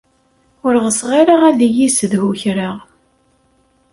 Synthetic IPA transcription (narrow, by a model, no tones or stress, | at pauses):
ʊɾʁəsʁaɾaʁæðijisəðhuçɾaʁ